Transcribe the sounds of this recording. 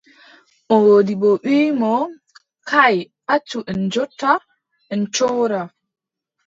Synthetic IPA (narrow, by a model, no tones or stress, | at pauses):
ʔɔwoːdiɓɔɓiːmɔ | kaj | ʔat͡ʃːuʔɛnd͡ʒɔtːa | ʔɛnt͡ʃɔwɾa